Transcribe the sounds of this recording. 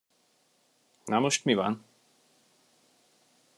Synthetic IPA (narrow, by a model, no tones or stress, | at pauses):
namuʃk̪miva̰n